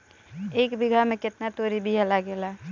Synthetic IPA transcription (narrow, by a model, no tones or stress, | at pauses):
eːkbʱiɡʱamẽkɪt̪nat̪oɾibʱiɦɛlaɡela